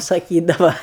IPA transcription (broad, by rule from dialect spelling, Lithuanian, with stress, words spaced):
sɐˈkʲiːdɐʋɐ